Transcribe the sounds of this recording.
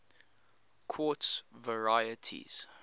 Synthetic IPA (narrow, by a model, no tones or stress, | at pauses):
kʰwɔˑtsvəɹajətʰḭz̥